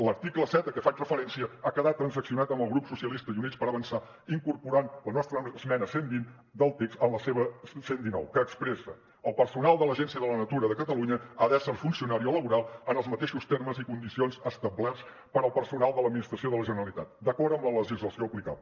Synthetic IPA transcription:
ləɾt̪ikləsɛt̪əkəfat͡ʃrəfəɾɛnsiəakəðat̪ːɾənsəksiunat̪əmbəlˠɣɾupsusiəlist̪əiunispəɾəβənsa | iŋkuɾpuɾanlənɔst̪ɾəsmɛnəsembin | d̪əlˠt̪ekst̪ənləseβəsend̪inɔ̰wkəːkspɾɛsəː | lˠpərsunalˠd̪ələʒɛnsiəðələnət̪uɾəðəkət̪əluɲəaðɛsəɾfunsiunaɾioləβuɾalˠənəlˠzmət̪eʃust̪erməzikund̪isionzəst̪əblɛs | pəɾəlˠpəɾsunalˠd̪ələd̪minist̪ɾəsioðələʒənəɾəlit̪a̰t̪̚d̪əkɔɾəmlələʒizləsioːplika̰l

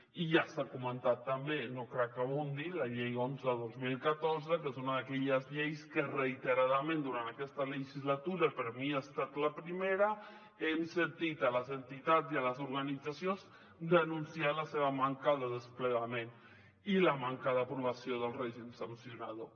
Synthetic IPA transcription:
iʝasakomãnt̪at̪ːambenokɾakaβund̪ilaʎejonzeðozmilkat̪oɾz̬ekesunaðakeʎazʎejskereijt̪eɾaðamẽnd̪uɾant̪akest̪alexizlat̪uɾapeɾomiaest̪at̪lapɾimeɾa | ensent̪it̪alazent̪it̪at̪zialazoɾɣanisasjonz | d̪anũnsjalaseβamãŋkaðəðespleɣamẽn | ilamãŋkaðapɾoβasjoðəlreʒinsansjonaðo

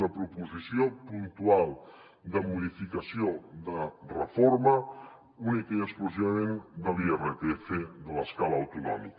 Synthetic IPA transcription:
nəpɾupuzisiopunt̪ualˠ | d̪əmuðifikəsiod̪ərəfoɾmə | unikəiəkskluziβəmend̪əliɛret̪efeðələskaləːwt̪unɔ̰mḭk

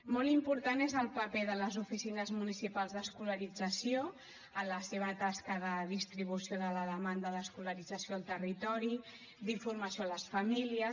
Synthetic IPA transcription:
molimpuɾt̪anezəlˠpəpeðələzufisinəzmunisipalˠzðəskuləɾid͡zəsio | ələseβ̞ət̪askəðəðist̪ɾiβ̞usjoðələðəmand̪əðəskuləɾid͡zəsjoəlˠt̪ərit̪ɔɾi | d̪iɱfurməsioləsfəmiliə

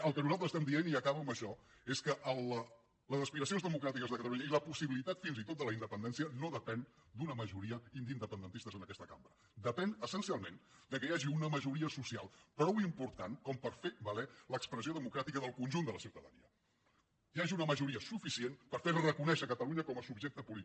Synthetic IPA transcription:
əlˠkənuzalˠt̪ɾəstɛmd̪ieniəkaβəməʃɔ | eskəʔəl | ləzəspiɾəs̬ionzðəmukɾat̪ikəzðəkət̪əluɲəiləpusiβilit̪at̪finzit̪ot̪̚d̪ələind̪əpənd̪ɛnsiənoðəpɛn | d̪unəməʒuɾiəind̪ind̪əpənd̪ənt̪ist̪əzənəkɛst̪əkambɾə | d̪əpɛnəsənsialˠmend̪əkəjaʒiunəməʒuɾiəsusia̰lˠpɾɔwimpuɾt̪ankɔmpəɾfebəlɛləkspɾəsioðəmukɾat̪ikəðəlˠkunʲʒund̪ələsiuwt̪əðənḭə | jaʒiunəməʒuɾiəsufisienpəɾfeɾrəkunɛʃəkət̪əluɲəkɔməsubʒek̚t̪əpulit̪i

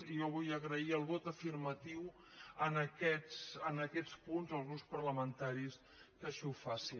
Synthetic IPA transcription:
ijɔβujəɣɾəiəlˠβɔt̪əfirmət̪iw | ənəkɛsənəkɛt͡spunzəlˠzɣɾuspərləmənt̪aɾis | kəʃiufasi

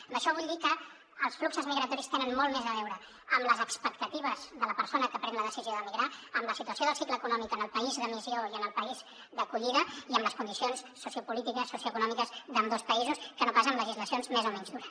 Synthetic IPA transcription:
mbəʃɔβ̞uʎʲd̪ikəː | lˠsfluksəzmiɣɾət̪ɔɾist̪enənmolmezəβ̞ɛwɾə | əmləzəkspək̚t̪ət̪iβ̞əzðələpəɾsonəkəpɾɛnləðəsizioðəmiɣɾaəmləsit̪uəsioðəlˠsikləːkunɔmikənəlˠpəizðəmizioiənəlˠpəiz | d̪əkuʎiðəiəmləskunisionsːusjupulit̪ikəsːusjuəkunɔmikəzðəmd̪ospəizuskənopasəːmləʒizləsionzmezomɛɲzðuɾəs

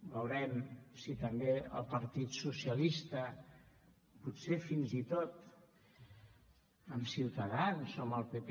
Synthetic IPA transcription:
bəwɾɛmsit̪əmbeə̰lˠpəɾt̪it̪susiəlist̪ə | putsefinzit̪ot̪ | əmsiwt̪əðansoməlˠpəp

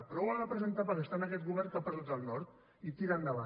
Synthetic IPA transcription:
pɾɔwaðəpɾəzənt̪apəɾəst̪anəkɛt̪ɣuβɛrŋkapəzut̪əlˠnɔɾt̪ | it̪iɾand̪əβa

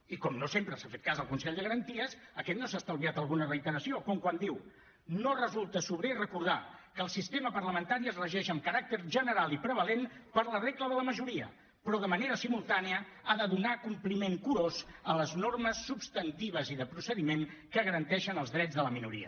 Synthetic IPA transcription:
ikɔmnosempɾəsafet̪̚kazəlˠkunsɛʎd̪əɣəɾənt̪iəsəkɛt̪nosast̪aəlˠβiat̪əlˠɣunərəit̪əɾəsiokɔmkwand̪iw | norəzulˠt̪əsuβɾerəkuɾð̞akəːlˠsist̪eməpərləmənt̪aɾiəzrəʒɛʃəmkəɾak̚t̪əɾʒənəɾalˠipɾəβəlenpəɾləreɣləðələməʒuɾiə̰ | pɾɔðəməneɾəsimulˠt̪aneəaðəðunakumplimeŋkuɾozələznorməsːupst̪ənt̪iβ̞əziðəpɾusəðimeŋkəɣəɾənt̪ɛʃənəlˠzðɾɛd͡zðələminuɾḭə̰

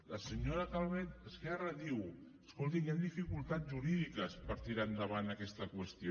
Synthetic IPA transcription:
ləsəɲoɾəkalˠβɛt̪̚əskɛrəðiwəskolˠt̪̬iŋjand̪ifikulˠt̪ad͡zʒuɾiðikəspəɾt̪iɾand̪əβanəkɛst̪əkwəst̪io

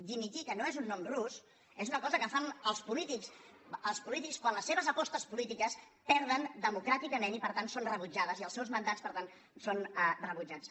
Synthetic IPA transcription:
d̪imit̪ikənoezunːɔmrus | ezunəkɔzəkəfanəlˠspulit̪iksəlˠspulit̪ikskwanləsːeβəzəpɔst̪əspulit̪ikəs | pɛɾð̞ənd̪əmukɾat̪ikəmenipəɾt̪ansonrəβud͡ʒað̞əziəlˠsɛwzmənd̪at͡spəɾt̪an | sonərəβud͡ʒat͡s

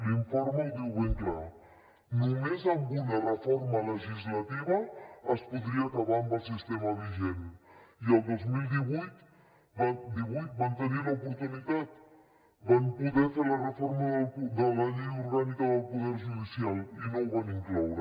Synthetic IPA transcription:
liɱfɔɾmadiwβeŋkɾa | numezaŋɡunarəfɔɾmɐləʒizlat̪iβɐːspuðɾiakaβambals̬ist̪ɛmɐβiʒɛnialˠd̪ɔzmilˠd̪iβujt̪ | bad̪iβujt̪̚bant̪ənilaupuɾt̪unit̪at̪̚ | bampuðɛfelɐrəfɔɾmaðlud̪əlaniuɾɣanikaðəlˠkuðɛɾʒuðisialinowβaniŋklɔwɾa

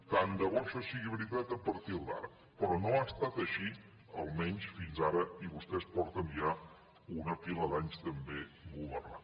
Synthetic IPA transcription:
k̪and̪əβɔʃɔsiɣiβɾit̪at̪əpəɾt̪ilˠd̪a̰ɾə | pɾɔnoast̪at̪əʃi | ə̰lˠmɛɲsfinzaɾəiβust̪ɛspɔɾt̪ənʒa | unəfiləðaɲst̪əmbebuβərna̰

